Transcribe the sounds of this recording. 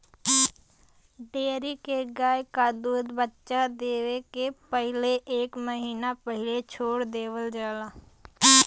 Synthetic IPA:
ɖeːɾikeɡaːjkad̪uːd̪bətːʃad̪eːʋekepəɦɪleʔeːkməɦiːnapəɦɪlet͡ʃʰoːɽd̪eːʋəld͡ʒaːlaː

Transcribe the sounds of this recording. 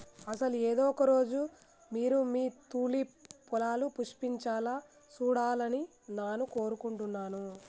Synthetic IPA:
ɐsɐlueːd̪ɔːkɐɾo̞ːd͡ʒu | miːɾumiːt̪uːlipulaːlupuʂpiɲt͡ʃaːla | suːɽaːlɐni | naːnuko̞ːɾukuɳʈunːaːnu

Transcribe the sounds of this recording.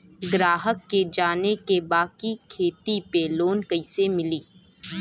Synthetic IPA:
ɡɾaːɦəkːed͡ʒaːnekebaːkikʰeːt̪ipeloːnkəɪsemɪliː

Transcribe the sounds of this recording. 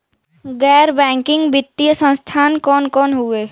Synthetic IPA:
ɡɛːɾbɛ̃ːŋkɪ̃ŋɡbɪt̪ːijəsə̃nst̪ʰaːnkɔːnkɔːnɦueː

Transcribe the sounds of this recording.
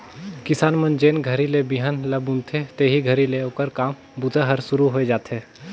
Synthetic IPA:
kɪsaːnmə̃nd͡ʒeːnɡʱəɾilebiɦənləbʊ̃nt̪ʰet̪eːɦiɡʱɐɾileoːkəɾkaːm | bʊt̪əɦəɾsʊɾuɦoed͡ʒaːt̪eː

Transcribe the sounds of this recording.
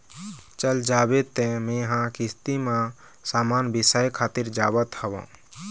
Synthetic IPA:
t͡ʃəld͡ʒabet̪ːemẽɦãkist̪imã | saːmaːnbisajkʰaːt̪iɾd͡ʒaːbət̪həʋã̰

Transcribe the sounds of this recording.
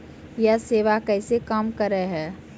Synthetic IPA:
jaseːʋakɛɪsekaːmkəɾəɦɛː

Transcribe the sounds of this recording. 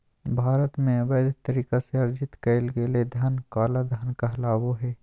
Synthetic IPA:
bʱaːɾət̪mẽʋəːd̪t̪əɾiːkaseɐɾd͡ʒɪt̪kɐɪlɡeːled̪ʱɐnkaːlad̪ʱənkɐɦlaːwoɦɛː

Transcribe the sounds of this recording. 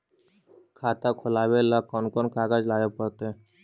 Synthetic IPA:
kʰaːt̪akʰʊlaːʋelakɔnkɔnkaɡad͡ʒlaːjopəɾt̪e

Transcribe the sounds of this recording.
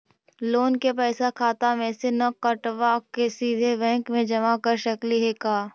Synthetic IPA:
loːnkepɛːsakʰaːt̪amẽsenɐkɐʈʋakesiːd̪ʱebɛ̃ːŋkmẽd͡ʒɐmakəɾʃɐkliɦeːkaː

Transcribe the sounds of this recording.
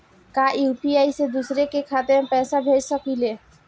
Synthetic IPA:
kaʔuupiajsed̪usɾekekʰat̪eapɛsabʱeɾsɔkile

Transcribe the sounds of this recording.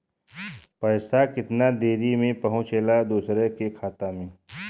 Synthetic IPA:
pəɪsakɪt̪nad̪eːɾimẽpɐɦʊ̃t͡ʃelad̪uːsɾɛkekʰaːt̪amẽː

